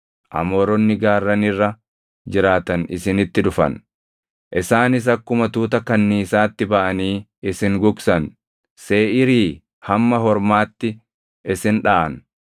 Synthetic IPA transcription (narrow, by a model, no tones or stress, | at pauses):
ʔɐ̰mɔɾɔnːɪɡaːrːɐnɪrːɐ | d͡ʒɪɾaːt̪ɐnɪ̰sɪnɪt̪ːɪᶑʊfɐ̰n | ʔɪsaːnɪs̬ɐkːʊmɐt̪uːt̪ɐkɐnːiːsaːt̪ːɪbɐʔɐniː | ɪsɪŋɡʊksɐn | seːʔɪɾiː | hɐmːɐɦɔɾmaːt̪ːɪ | ʔɪsɪnᶑaːʔɐ̰n